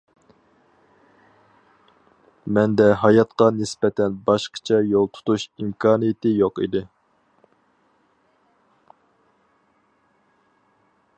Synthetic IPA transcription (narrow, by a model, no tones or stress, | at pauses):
mɛnd̪ɛɦɑjɑt̪qɑnɪsbɛt̪ʰɛnbɑʃqʰə̥t͡ʃʰɛjolˠt̪ʰu̥t̪ʰuʃimkʰɑːnɨjɪt̪ɪjoqḭd̪ɪ